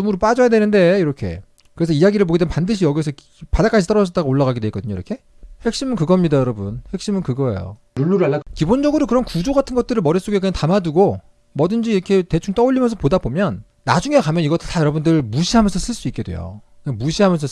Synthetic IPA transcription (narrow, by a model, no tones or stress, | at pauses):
umuɾɯp͈ad͡ʑʌjadwe̞nɯnde̞iɾʌkʰe̞̰ | kɯɾe̞sʰʌijaɡiɾɯɭpoɡidemepandɯɕʰijʌɡiesʰʌ | padak͈ad͡ʑʰit͈ʌɾʌd͡ʑʌt͈aɡaoɭːaɣaɡedwe̞ik͈ʌdɯɲoiɾʌkʰe̞ | ɸwe̞k̚ɕ͈imɯnkɯɡʌmɲidajʌɾʌbunɸwek̚ɕ͈imɯnkɯɡʌḛjo̰ | ɾuɭːuɾɯaːakibond͡ʑʌɡɯɾokɯɾʌnkud͡ʑoɡatʰɯnɡʌt̚t͈ɯɾɯɭmʌɾis͈oɡekɯɲantamaduɡo | mʌdɯnd͡ʑiiɾʌkʰe̞te̞t͡ɕʰuŋt͈ʌoʎːimjʌnsʰʌpodabomjʌnː | ad͡ʑuŋekamjʌniɡʌtʰtajʌɾʌbundɯɭmuɕʰiɦamjʌnsʰʌs͈ʰɯɭs͈uik͈e̞dwe̞̰jo̰ | emuɕʰiɦamjʌnsʰʌ